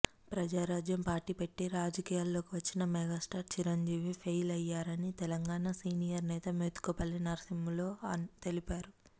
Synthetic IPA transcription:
pɾɐd͡ʒaːɾaːd͡ʒjɐmpaːɾʈiːpe̞ʈːiɾaːd͡ʒɐkiːjaːlːo̞ːkiʋɐt͡ʃːinɐmɛɡaːsʈaːɾt͡ʃiɾɐɲd͡ʒiːʋipʰɐjlɐjːaːɾɐnit̪ɛlɐŋɡaːnasiːnijɐɾnɛːt̪ɐmeːt̪u̥kɐpɐlːinɐɾsimlo̞ːɐt̪e̞lipaːɾu

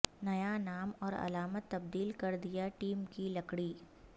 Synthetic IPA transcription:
nɐjanaːmɔːɾɐ̰laːmət̪ːɐbd̪iːlkɐɾd̪ɪjaʈiːmkilɐkɽiː

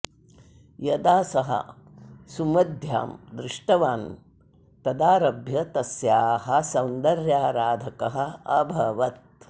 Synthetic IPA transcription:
jɐd̪aːsɐɦɐ̰ | sumɐd̪ʱja̰ːmd̪ɾɪʂʈɐʋaːn | t̪ɐd̪aːɾɐbʱjɐt̪ɐsjaːhɐ̆sɐwnd̪ɐɾjaːɾaːd̪ʱɐkɐɦɐ̆ɐbʱɐʋɐt̪̚

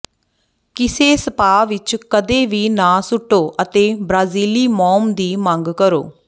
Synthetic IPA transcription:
kɪseːsəpaːʋɪt͡ʃkəd̪eːʋiːnãːsʊʈːoːʔət̪eːbɾaːziːliːmɔːmd̪iːməŋɡkəɾo̰ː

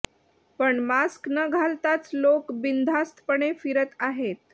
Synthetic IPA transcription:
pəɳmasknəɡʱalt̪at͡slokbind̪ʱast̪ʰpəɳefiɾət̪aɦet̪

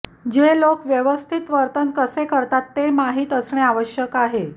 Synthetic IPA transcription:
d͡ʑelokʋjəʋəst̪ʰit̪ʋəɾt̪ənkəsekəɾt̪at̪ːemaɦiːt̪əsɳeaʋəɕjəkaɦe

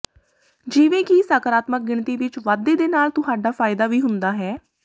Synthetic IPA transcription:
d͡ʒɪːʋẽːkisaːkəɾaːt̪mək̚ɡɪɳt̪iːʋɪt͡ʃʋaːd̪eːd̪eːnaːlt̪ʊɦaːɖaːfʰaːɪd̪aːʋiːɦʊnd̪aːɦɛː

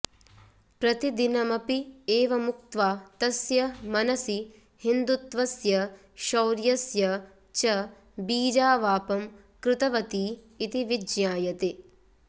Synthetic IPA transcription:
pɾɐt̪id̪inɐmɐpieːʋɐmuk̚t̪ʋaːt̪ɐsjɐmɐnɐsi | hind̪ut̪ʋɐsjɐ | ʃɐwɾjɐsjɐ | t͡ʃɐ | biːd͡ʒaːʋaːpɐm | kɾɪt̪ɐʋɐt̪iː | t̪iʋid͡ʒjaːjɐt̪e

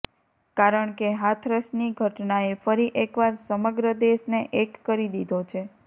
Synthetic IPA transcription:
kaɾəɳkeɦat̪ʰɾəʃniɡʱəʈnaefəɾiʔekʋaɾsəməɡɾəd̪eʃneʔekːəɾid̪id̪ʱot͡ʃʰe

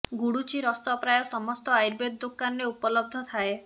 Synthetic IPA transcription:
ɡuɽut͡ʃiɾɔst̪ɔpɾajɔsɔmɔst̪ɔajɾbed̪̚d̪okanɔɾeupɔlɔb̚d̪ʱɔt̪ʰae

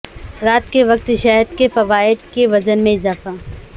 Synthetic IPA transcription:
ɾaːt̪keʋɐq̚t̪ʃɛɦəɾd̪kefɐʋaːɪd̪keʋɐzənmẽɪzaːfa

